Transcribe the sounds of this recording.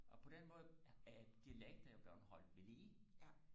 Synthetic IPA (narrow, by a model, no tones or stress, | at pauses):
ʔɒ̽pʰɒ̽d̥enmɔ̽ːð̩ˠæd̥iæleɡ̥̚d̥ɐɒb̥ɶɐnhɒ̽l̰ʋeliː